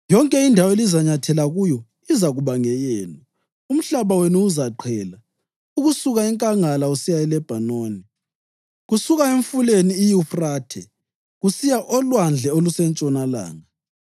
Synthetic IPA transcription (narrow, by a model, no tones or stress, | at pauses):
jɔŋkʼɛindʱawɔelizaɲatʰɛlaɣujɔ | izaɣuβaŋɛjɛːla | um̩ɬaβawenuːzaǃʰɛːla | uɣusuɣaɛŋkʼaŋalausijaɛlɛb̥ʱanoːni | ɣusuɣaeɱfuleniːjufraːtʰɛ̰ | ɣusijaʔɔlwand͡ɮʱɛolusɛnt͡ʃʼɔnala̰ːŋa